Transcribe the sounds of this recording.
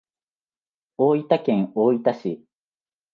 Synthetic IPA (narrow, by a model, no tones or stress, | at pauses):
oːit̪akẽ̞ŋoːit̪aɕi